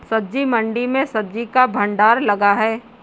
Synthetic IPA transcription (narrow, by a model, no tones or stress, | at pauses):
sɐd̪d͡ʒimɐ̃ɳɖimẽsɐd̪d͡ʒikabʱɐ̃ɳɖaːɾlɐɡaɦɛː